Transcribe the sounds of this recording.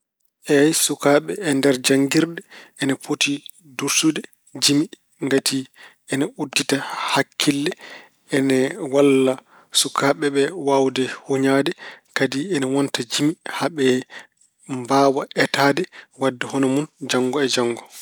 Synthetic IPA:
ʔɛsukaːɓɛɛndɛɾd͡ʒaŋɡiɾdɛɛnafoti | duɾsudɛ | d͡ʒimi | ŋɡatʰi | ɛnaudːitahakʰːilːɛ | ɛnɛwalːa | sukʰaɓɛɓɛwawdɛhoɲadɛkadiɛnawɔntad͡ʒimihaɓɛ | mbaːwaʔɛtaːdɛwadːɛhɔnɔmund͡ʒaŋɡɔɛd͡ʒaŋːɡɔ

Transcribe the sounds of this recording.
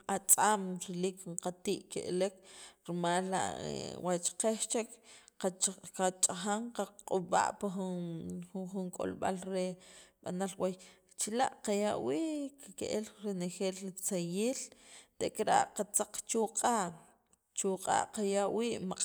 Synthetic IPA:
at͡sʼamɾeliːkɴqat̪iːʔkeʔlekɾimaːlːa̰ʔwʔat͡ʃqeʃt͡ʃek | qat͡ʃʼaxaŋqaqʼuɓa̰ʔpaxun | xuŋkʼo̰lɓa̰lɾeɓa̰nalwaj | t͡ʃilaʔqajaʔwiːʔkakeʔelɾenexeːlːit͡sajiːlt̪eʔkɾa̰ʔqat͡saq͡χt͡ʃuqʼaːʔ | t͡ʃuqʼa̰ːʔqajaʔwiːʔmaqʼ

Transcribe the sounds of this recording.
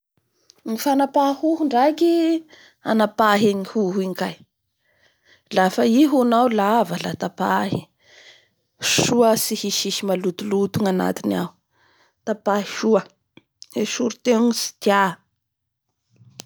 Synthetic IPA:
ŋifanapahuɦuɳɖ͡ʐaki | a̰napaɦeŋihuɦuiŋkaj | lafəiɦunawlavalat̪apaɦi | ʃuəsihiʃiʃimalut̪ulut̪uŋana̰t̪ina̰w | t̪apaɦiʃuə | eʃuɾut̪enisi̥t̪ja

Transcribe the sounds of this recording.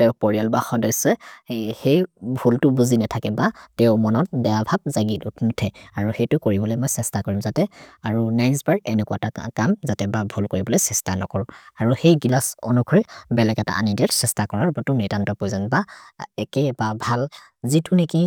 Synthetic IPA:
tɛʊpɔɹialbaxɔdɔjsɛhejbʱultʊbuzinɛtʰakɛbatɛʊmɔnɔt̚dɛjabʱab̚zaɡitutʰmutʰɛaɹuxejtʊkoɹibɔlɔjmɔjsɛstakɔɹimzatɛaɹunajnsbaɹɛnɛkwatakamzatɛbabʱulkoɹibɔlɔjsɛstanɔ̰kɔɹɔaɹuxejɡilasɔ̰nukʰɔɹɛbɛlɛkɛta̰ʔa̰nidiatsɛstakɔɹaɹbatʊnitantɔpɔjzanbaɛkɛbabʱal | zitʊneki

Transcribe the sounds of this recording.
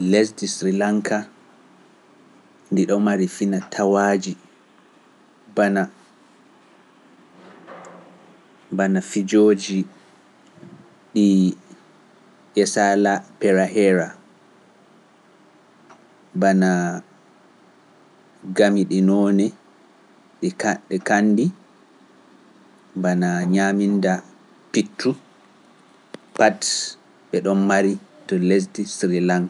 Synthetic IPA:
lɛsdisɾilaŋkʰa | ndiɗɔmaɾifinatʰawad͡ʒi | bana | banafid͡ʒod͡ʒi | ɗi | ʔɛsalapɛɾahɛɾa | bana | ɡamiɗinɔnɛ | ɗɗɛkanːdi | banaɲaminda | pitʰːu | pat | ɓɛɗɔnmaɾitɔles̬disɾilan

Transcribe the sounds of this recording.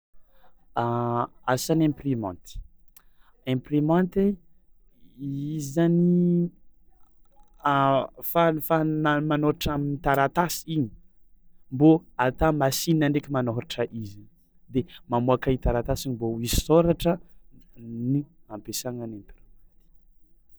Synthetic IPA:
aasanẽmprimɔ̃nt̪i̥ | ẽmprimant̪e | izani | fafanamanoɾaʈ͡ʂaminit̪aɾat̪asi̥iɲi̥ | mboat̪amasininaɳɖ͡ʐekʲimanoɾaʈ͡ʂəʔizi | d̪emamuakait̪aɾat̪asiɲimboizisoɾaʈ͡ʂə | niampesaŋanẽmprimãnt̪i̥

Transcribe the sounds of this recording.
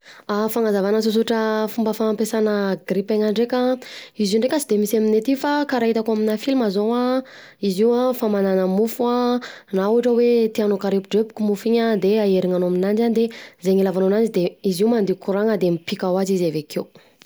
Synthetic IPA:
afaŋazavanəs̬us̬uʈ͡ʂəfumbəfaːmpesanəɡripeŋaɳɖ͡ʐekʲaizuɳɖ͡ʐekʲasid̪emisaminet̪ifakaɾaɦit̪akuaminafilmazoa | iziwafamananəmufuanauaʈ͡ʂəwet̪ianokaɾepɖ͡ʐepu̥kumufiɲəd̪eaeɾiŋanoaminand͡ʒanid̪ezeŋilavanonand͡ʒid̪eiziwmand̪iukuɾaŋəd̪emipikawazizavekew

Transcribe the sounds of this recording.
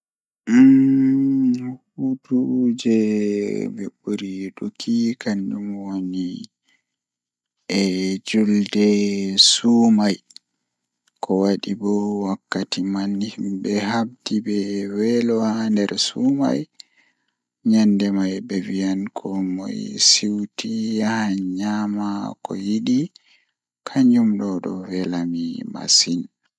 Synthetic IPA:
hutud͡ʒɛ | bɛ̰ɓuɾiɗukʰikʰandumwoni | ɛd͡ʒuldɛsumaj | kʰɔwaɗibɔwakːatimanhimbɛhab̚dibɛwɛlɔhandɛɾsuma̰j | ɲandɛmajbɛvijankʰɔmɔ̰jsiwtijahɲamakɔ̰jiɗi | kʰaɲd͡ʒumɗɔɗɔ̰wɛlamima̰sin

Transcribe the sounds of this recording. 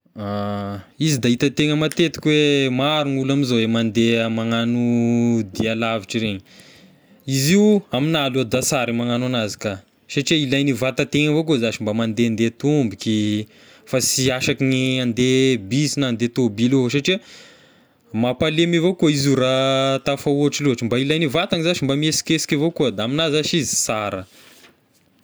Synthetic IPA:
a | izid̪ait̪ət̪eŋəmat̪et̪i̥kʲwemaɾunulamizoemand̪eəmaŋanud̪ialaviʈ͡ʂiɾeɲi | iziuaminaluad̪asaɾimaŋananazi̥ka | saʈ͡ʂiailajnivat̪at̪eŋəvokoizaʃimbamand̪eand̪et̪umbiki | fasiaʃakiniand̪ebisinand̪et̪obilosaʈ͡ʂiə | mapalemivokuizuɾat̪afauaʈ͡ʂiluɦaʈ͡ʂimbailajnivat̪aŋizat͡ʃimbamesi̥kesi̥kʲivokuəd̪aaminazaʃizi̥saɾə

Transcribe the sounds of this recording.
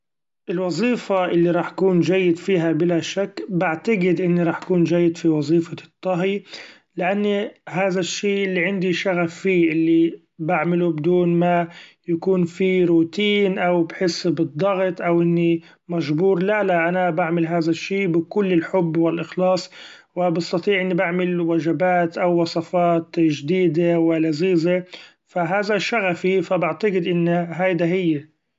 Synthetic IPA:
ʔɪlwɑzˤiːfaʔɪlːiɾˤɑːħʔakuːnʒajːɪd̪fiːɦabɪlaʃakːbaʕt̪aɡɪd̪ʔɪnːiɾˤɑːħʔakuːnd͡ʒajːɪd̪fiwɑzˤiːfɑt̪ˤːɑɦi | lɪʔanːiɦaːðaʃːiːʔɪlːiʕɪnd̪iʃaɣafːiːʔɪlːi | baʕmɪlubɪd̪uːnmajakuːnfiɾuːt̪iːnʔawbħɪsːbɨd̪ˤːɑɣt̪ʔawʔɪnːi | maʒbuːɾˤlalaʔanabaʕmɪlɦaːðaʃːiːbɪkʊlːɪlħʊbːwɪlʔɪxlɑːsˤ | wɪbɪst̪ɑt̪ˤiːʕʔɪnːibaʕmɪlwaʒɪbaːt̪ʔawːɑsˤɑfɑːt̪ʒd̪iːd̪ewɪlaziːze | faɦaːðaʃaɣafifabɪʕt̪aɡɪd̪ʔɪnːɦajd̪aɦɪjːɪ

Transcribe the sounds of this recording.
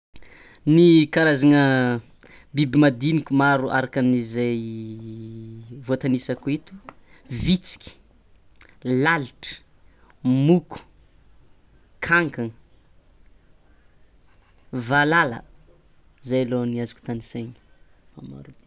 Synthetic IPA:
nikaɾazanə | bibimad̪inikʲumaɾuʔa̰ɾakanizaj | vot̪anisakuit̪u̥vit͡si̥kʲi̥ | laliʈ͡ʂə̥ | mukʰu̥ | kʰaŋkan | valalə̰ | zajaloniazu̥ku̥t̪anisejɲ̥ma̰ma̰ɾub̪i

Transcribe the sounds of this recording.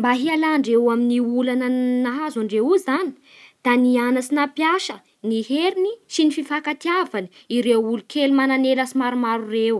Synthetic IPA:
mbaɦialaɳɖ͡ʐewaminiulanənaɦazaɳɖ͡ʐeuzani̥ | d̪̥anianasinapjaʃə | niheɾinisinififakat̪iavani | iɾewulukʰelumananeləsimaɾumaɾurew

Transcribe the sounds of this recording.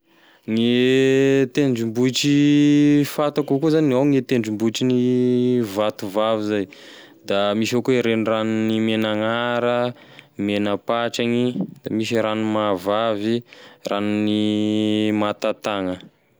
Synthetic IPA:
ŋe | t̪eɳɖ͡ʐimbuiʈ͡ʂi | fat̪akukuzaniawŋet̪eɳɖ͡ʐimbuʈ͡ʂini | vat̪uvavizaj | d̪amiʃakueɾenranunimenaŋaɾə | menəpaʈ͡ʂaŋid̪̥amisiɾanimavavirʔanni | mat̪at̪aŋə

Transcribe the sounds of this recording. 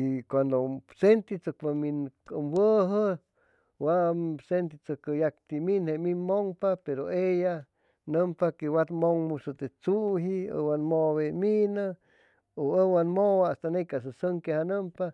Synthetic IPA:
ikʷand̪osent̪it͡sək̚paminkəmwəɦə | wasent̪it͡səkəjak̚t̪iminheminmoŋpapeɾoeja | nəmpakewat̪moŋmusət̪et͡suɦiə̰wanmoβeminə | oəwanmowaast̪anejkas̬əsəŋkehanəmpa

